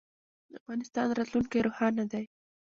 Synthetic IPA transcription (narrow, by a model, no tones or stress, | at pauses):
d̪əafɣɑnɪst̪ɑnɾɑt̪luŋkajɾohɑnad̪aj